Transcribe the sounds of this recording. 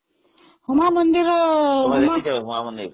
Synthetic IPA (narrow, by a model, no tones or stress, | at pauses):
humamʌnd̪irʌmaaɦumamʌnd̪iɾ